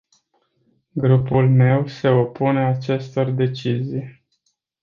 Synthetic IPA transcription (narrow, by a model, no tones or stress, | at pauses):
ɡɾupulme̞wse̞o̞pune̞at͡ʃe̞st̪o̞rd̪e̞t͡ʃizij